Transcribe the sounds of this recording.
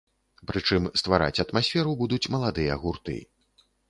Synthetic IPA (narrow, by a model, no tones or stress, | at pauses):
pɾɨt͡ʂɨmst̪vaɾa̰t͡sʲɐt̪masʲfʲɛɾubud̪ut͡sʲmɐlˠad̪ɨjɐɣurt̪ɨ̰